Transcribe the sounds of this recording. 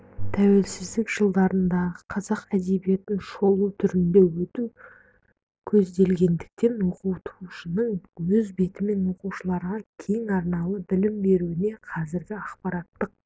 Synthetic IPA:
t̪ʰæwe̞lsɪzd̪ɪkʒəlˠd̪ɑɾənd̪ɑʁəqʰɑzɑqæd̪e̞bije̞t̪ɪnʃo̞lˠut̪ʰʏɾɪnd̪e̞wɵt̪u | kʲʰɵzd̪e̞lɡʲe̞nd̪ɪk̚t̪e̞nwo̞quwt̪ʰuʃənəɴwɵzbe̞t̪ɪme̞nwo̞quwʃəlˠɑɾʁɑkʲʰe̞jɪŋɑɾnɑlˠəbɪlɪmbe̞ɾuɪne̞qʰɑzɪɾɡʲɪɑqpɑɾɑt̪ːəq̚

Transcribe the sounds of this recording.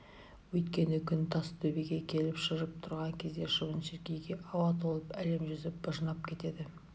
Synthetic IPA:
wɵjt̪kʲe̞nɪkʲʰʏnt̪ʰɑst̪ʰɵbeɡʲe̞kʲʰe̞lɪpʃəɾəp̚t̪ʰʊɾʁɑŋkʲʰe̞zd̪e̞ʃəʁənʃeɾkʲe̞jɡʲe̞ʔɑwɑt̪olˠəpæle̞mʒʏzɪp̚bəʒənɑp̚kʲʰe̞t̪e̞d̪ɪ

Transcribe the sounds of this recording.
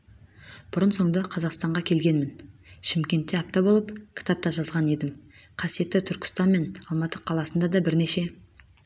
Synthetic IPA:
b̥ʊɾənso̞ɴd̪ɑqʰɑzɑqst̪ɑɴʁɑkʲʰe̞lɡʲe̞nmɪnʃɪmkʲe̞nt̪ːe̞ɑp̚t̪ɑbolˠəpkʲʰɪ̥t̪ɑp̚t̪ɑʒɑzʁɑne̞d̪ɪm | qʰɑsije̞t̪ːɪt̪ʰʏɾkʲɪ̥st̪ɑnme̞nɑlˠmɑt̪əqʰɑlˠɑsənd̪ɑd̪ɑbɪɾne̞ʃe̞

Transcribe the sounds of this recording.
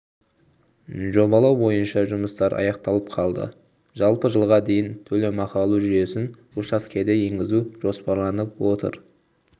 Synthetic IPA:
ʒo̞βɑlˠɑwbo̞jənʃɑʒʊməst̪ɑɾɑ̰jɑq̚t̪ɑlˠəp̚qʰɑlˠd̪ə̰ | ʒɑlˠpəʒəlˠʁɑd̪e̞jɪnt̪ʰɵle̞mɑqɑlˠuʒʏje̞sɪn | ʊʃɑskʲʰe̞d̪e̞je̞ŋɡʲɪzuʒ̥o̞spɑɾlˠɑnəp̚wo̞t̪ə̰ɾ

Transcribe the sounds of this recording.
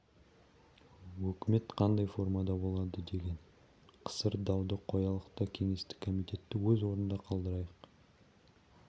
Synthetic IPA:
wɵkʲɪme̞t̪qʰɑnd̪ɑjfo̞rmɑd̪ɑbo̞lˠɑd̪əd̪e̞ɡʲe̞n | qʰə̥səɾd̪ɑwd̪əqʰːo̞jɑlˠəqt̪ɑkʲʰe̞ŋe̞st̪ɪ̥kʰo̞mijt̪ʲe̞t̪ːɪwɵzwo̞ɾənd̪ɑqʰɑlˠd̪əɾɑjəq

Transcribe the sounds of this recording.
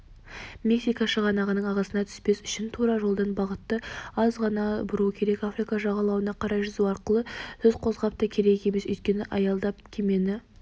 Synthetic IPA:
mʲeksijkɑʃəʁɑnɑʁənəɴɑʁɑsənɑt̪ʰʏ̥spe̞sʏʃɪnt̪ʰuɾɑʒolˠd̪ənbɑʁət̪ːəɑzʁɑnɑbʊɾuəkʲʰe̞ɾe̞kafrijkɑʒɑʁɑlˠɑwənɑqʰɑɾɑjʒʏzuwɑɾqəlˠəsʰɵzqʰo̞zʁɑp̚t̪əkʲʰe̞ɾe̞e̞mesʏ̰jt̪̚kʲe̞nɪʔɑjɑlˠd̪ɑp̚kʲʰeme̞nɪ

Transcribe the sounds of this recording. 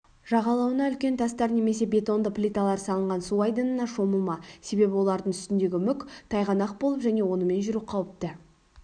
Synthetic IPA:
ʒ̥ɑʁɑlˠɑwənɑʏlkʲe̞nt̪ʰɑst̪ɑɾne̞me̞se̞bʲe̞t̪o̞nd̪əplʲit̪ɑlˠɑɾsɑlˠəɴʁɑnsuɑjd̪ənənɑʃo̞məlˠmɑse̞be̞bɪwo̞lˠɑɾd̪əɴt̪ʏ̥st̪ɪnd̪e̞ɡʲɪmʏkʲt̪ʰɑjʁɑnɑq̚bo̞lˠəpʒæne̞wo̞nəme̞nʒʏɾuqʰɑwəp̚t̪ə

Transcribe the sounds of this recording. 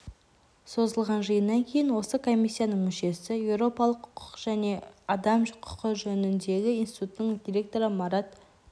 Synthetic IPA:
so̞zəlˠʁɑnʒəjənːɑŋkʲʰe̞jɪnwo̞səkʰo̞mʲːisːijanəɴmʏʃe̞sɪjewɾo̞pɑlˠəqʰːʊ̥ʊ̥qʒ̥æne̞ɑd̪ɑmʒʊqʰʊ̥qəʒɵnɪnd̪e̞ɡʲɪinsi̥t̪ut̪ənəɴd̪ʲiɾʲe̞k̚t̪o̞ɾəmɑɾɑt̪̚

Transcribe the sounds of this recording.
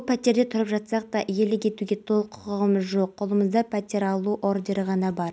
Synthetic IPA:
pʲʰæt̪e̞ɾd̪e̞t̪ʰʊɾəpʒɑtt̪sɑq̚t̪ɑʔije̞lɪkʲʰe̞t̪uɡʲe̞t̪ʰo̞lˠəqʰːʊ̥ʊʁəməzʒo̞qːʰʊlˠəməzd̪ɑpʲʰæt̪ʲe̞ɾɑlˠuʔoɾd̪eɾəʁɑnɑbɑɾ

